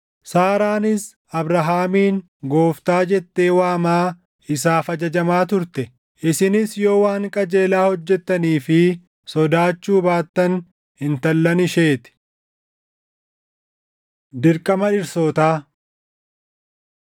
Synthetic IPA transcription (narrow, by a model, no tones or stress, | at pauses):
saːɾaːnɪs | ɐbɾɐɦaːmiːŋ | ɡo̞ːft̪aːd͡ʒɛt̪ːe̞ːwaːmaː | ɪsaːfɐd͡ʒɐd͡ʒɐmaːt̪ʊɾt̪ɛ | ʔɪsɪnɪsjo̞ːwaːŋkʼɐd͡ʒe̞ːlaːhɔd͡ʒːɛt̪ːɐniːfɪ | sɔd̪aːt͡ʃːuːbaːt̪ːɐn | hɪnt̪ɐlːɐnɪʃe̞ːt̪ɪ̥ | d̪ɪɾkʼɐmɐᶑɪɾsoːt̪aː